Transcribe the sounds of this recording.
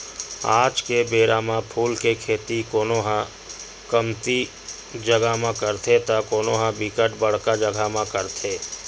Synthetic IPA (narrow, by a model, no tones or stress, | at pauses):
a̰ːd͡ʒkebeːɾaːmãpʰuːlkekʰeːt̪ikoːnoɦã | kəmt̪i | d͡ʒəɡamãkəɾt̪ʰet̪akoːnoːɦãbikəʈbəɽ̤kad͡ʒəɡʱamãkəɾt̪ʰeː